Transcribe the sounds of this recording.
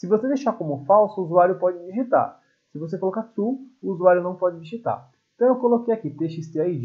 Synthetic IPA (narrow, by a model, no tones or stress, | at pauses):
sɪvosed̪ejʃakõmʊfawsʊuzuaɾjʊpɔd͡ʒɪd͡ʒiʒit̪a̰ɾ | sɪvos̬ekolɔkasuʊːzuaɾjʊnɐ̃w̃pɔd͡ʒɪd͡ʒiʒit̪a̰ɾeẽt̪ɐ̃w̃ewkolokejakit̪eʃɪst̪eaid͡ʒ